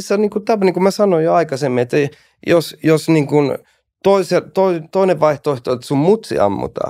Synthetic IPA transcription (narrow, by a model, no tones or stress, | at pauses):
sːæniːŋkut̪ɑpɑniŋkumæsɑnojoɑikɑsemːiet̪ːæ | josjosniːŋkun | t̪oiselt̪oit̪oineʋʋɑiht̪oˑeht̪oet̪ːsummut̪sḭɑ̰mːṵt̪ɑ̰ː